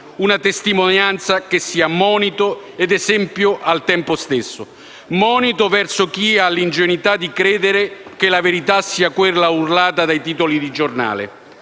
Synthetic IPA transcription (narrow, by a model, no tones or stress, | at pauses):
unat̪est̪imonjant̪sakɪsːiːamɔːnit̪ʊ | ɛd̪ɛzɛmpjʊʔalt̪ɛmpʊst̪esːʊ | mɔːnit̪ʊvɛrsʊk̟ialːind͡ʒenit̪ad̪ikɾɛːd̪eɾɪkelaveɾit̪asːiːakwɪrlːaurlaːt̪ad̪ajt̪iːt̪olid̪id͡ʒorna̰ːlɪ̰